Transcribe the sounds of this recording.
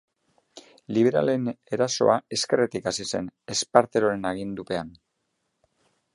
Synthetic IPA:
liβ̞e̞ɾa̰le̞ne̞ɾaso̞̰ae̞ske̞ret̪ikasise̞ne̞spaɾt̪e̞ɾo̞ɾe̞naɣ̞ind̪upe̞an

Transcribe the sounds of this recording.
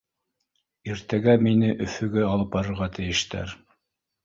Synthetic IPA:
iɾt̪æɡæminɘʔɵ̆fɵ̆ɡɘɑlˠɤp̚bɑɾɤ̆ɾʁɑt̪ʰɘ̆jɘ̆ʃt̪æ̰ɾ

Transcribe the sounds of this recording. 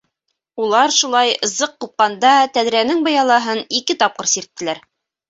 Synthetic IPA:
ulˠɑɾʃulˠɑjɤ̆zɤqːup̚qɑnd̪ɑt̪æðɾijænɘŋbɑjɑlˠɑɦɤnikɘt̪ɑp̚qɤɾsiɾt̪ːɘ̆læɾ

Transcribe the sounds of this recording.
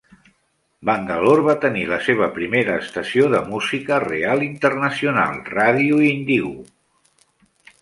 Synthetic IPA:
baŋɡəloɾβat̪əniləseβ̞əpɾimeɾəːst̪əsioðəmuzikərḛalˠint̪ərnəsiuna̰lˠraðiund̪iɣu

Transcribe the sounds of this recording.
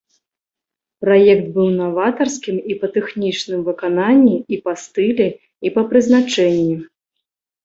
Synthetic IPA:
pɾajɛkt̪̚bɨwnavat̪ɐrskʲimipɐt̪ɛxnʲit͡ʂnɨmvɨkananʲːiipast̪ɨlʲɛ | ipɐpɾɨznat͡ʂɛnʲːi

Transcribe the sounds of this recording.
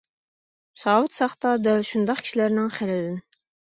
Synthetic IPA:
sɑwut̪sɑχt̪ɑd̪ælʃund̪ɑqkʰʲi̥ʃilæɾnɪŋχælɛlɪn

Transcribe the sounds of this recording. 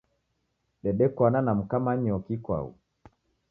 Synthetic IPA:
ɗɛɗɛkwananam̩kamaɲiɔkikwa̰ṵ

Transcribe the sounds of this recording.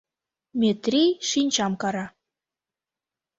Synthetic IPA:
mʲet̪rʲijʃinʲt͡ɕɑmkɑɾɑ

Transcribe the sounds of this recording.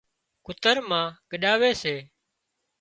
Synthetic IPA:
kʊt̪əɾmãːkəɗaːʋeːseː

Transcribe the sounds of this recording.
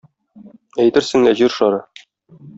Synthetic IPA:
æjt̪ɘɾsɘ̆ŋlæʑiɾʃɒɾɤ

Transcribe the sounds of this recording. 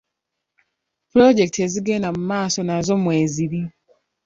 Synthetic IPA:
pɾoɟe̞kteziɡeːnamumaːso̞nazo̞mwe̞ːziβi

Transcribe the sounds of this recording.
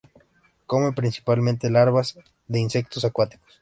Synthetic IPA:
ko̞me̞pɾinsi̥palmẽnt̪e̞laɾβaz | ðeinse̞k̚t̪o̞sakwat̪i̥ko̥s

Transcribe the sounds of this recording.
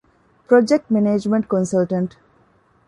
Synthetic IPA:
pɾod͡ʒek̚ʈmeneːd͡ʒmẽɳʈ̚kõnsɐlʈɐ̃ɳʈ

